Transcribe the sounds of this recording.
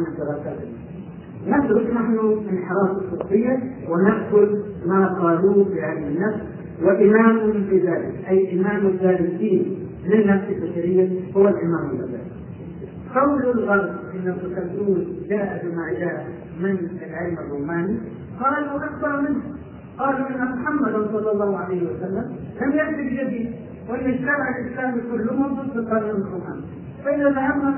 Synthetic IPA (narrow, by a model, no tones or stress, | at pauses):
amad̪ɪɾˤɑːsaːt̪ːa | nat̪ɾʊsnaħnuʔɪnħɾˤɑːsɪfɨsːɪjːawɪnaʔkʊlmaːqɑːluːfiʔadanːafs | wɪʔɪmaːmʊbɪzaːlɪkʔajːʔɪmaːmazaːlɪsiːn | lɪnːafsalbɪsaɾɪjːahʊwːalʔɪmaːmɪlʔa̰za̰ːl | qɑwlʊlɣɑɾɑb̪̚ʔɪnːarʊt̪at̪uːld͡ʒaːʔabɪmaʕd͡ʒaː | mɪnʔalʕaːmɪrːuːmaːni | qɑːlalawʔak̚b̪ɑɾˤmɪnh | qɑːluʔɪnːamʊħamːad̪ansˤɑlːɑlˤːɑːhʕalajhɪwasalːamlamjaɾt̪ɪbd͡ʒad̪iːd̪ | wʔɪnːaʃt̪amaʕɪlʔɪslaːmkʊlːʊmad̪ˤud̪ˤfɪt̪ˤːɑliːmɪrːuːmaːni | faʔɪðaðahamhʊ